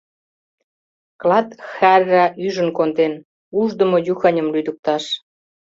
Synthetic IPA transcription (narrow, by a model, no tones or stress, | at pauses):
klɑt̪xærːæʔyʒə̆nkond̪en | uʒd̪ə̆mojuxɑnʲəmlyd̪ək̚t̪ɑʃ